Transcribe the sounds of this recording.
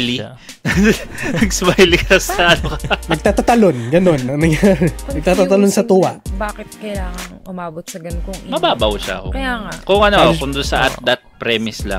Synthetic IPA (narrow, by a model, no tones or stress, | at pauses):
li | ɐɡsmajlikɐsɐʔɐnokɐnɐɡ̚t̪aːt̪ɐt̪ɐlo̞nɡɐno̞nːɐŋnɐŋjaɾɛnɐɡ̚t̪aːt̪at̪ɐlonsɐt̪uwɐʔbaːkɪt̪̚kɐjaːŋɐŋʔʊmaːbot̪̚sɐɡɐnkomɐbaːbɐwʃa̰ko̰kɐjaːŋakoŋʔɐnoʔkʊnd̪ʊnsɐʔad̪ɐt̪̚pɾɛmɪsla̰ŋ